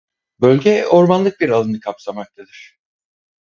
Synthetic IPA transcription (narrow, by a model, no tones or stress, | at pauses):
bølʲɟɛo̞ɾmanlˠɯk̚biɾalˠɯnɯkʰapsamak̚t̪ʰad̪ɯɾ̝̥